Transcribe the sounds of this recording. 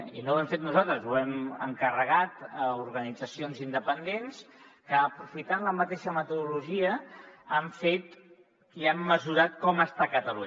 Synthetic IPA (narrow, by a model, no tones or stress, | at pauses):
ḭnowɛmfet̪nuzalˠt̪ɾəzuɛmə̰ŋkərəɣat̪əuɾɣənid͡zəsionzind̪əpənd̪enskəːpɾufit̪anləmət̪eʃəmət̪uðuluʒiəːɱfet̪ | iamːəzuɾat̪kɔməst̪akət̪əluɲ